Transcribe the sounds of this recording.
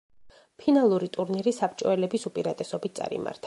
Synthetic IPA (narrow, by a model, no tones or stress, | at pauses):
pʰinalˠuɾit̪ʼuɾniɾisapʰt͡ʃʼɔɛlɛbisupʼiɾat̪ʼɛsɔbit̪̚ʰt̪sʼa̰ɾḭma̰ɾt̪ʰa